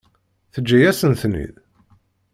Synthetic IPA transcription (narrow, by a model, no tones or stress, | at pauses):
θəd͡ʒːæjæsənθnḭð